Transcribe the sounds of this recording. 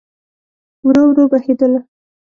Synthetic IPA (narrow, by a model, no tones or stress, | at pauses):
wɾowɾobahed̪əla